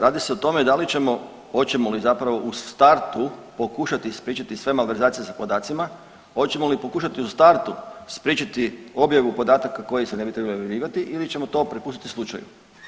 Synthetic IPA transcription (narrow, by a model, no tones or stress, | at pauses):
ɾaːd̪ise̞o̞t̪o̞me̞d̪alit͡ɕe̞mo̞ | ho̞t͡ɕe̞molizapɾaʋo̞ʔust̪aɾt̪upo̞kuʃat̪ispɾiːt͡ʃat̪isʋe̞malʋe̞ɾzaːt̪sije̞sapo̞d̪aːt̪sima | o̞t͡ɕe̞molipo̞kuːʃat̪iust̪aɾt̪uspɾʲiːt͡ʃat̪io̞bjaʋupo̞d̪aːt̪akako̞jise̞ne̞bit̪ɾe̞baliojelʲiːʋat̪iʔilit͡ɕe̞mo̞t̪o̞pɾepuːst̪it̪islˠut͡ʃa̰jṵ